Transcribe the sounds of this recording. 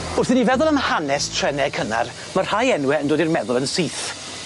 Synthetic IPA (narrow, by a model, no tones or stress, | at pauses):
ʊrθɪnivɛðʊlˠənhanɛstʰrɛnɛkʰəna̰r | mar̥hajɛnwɛəndoːdirmɛðʊlˠənsiːθ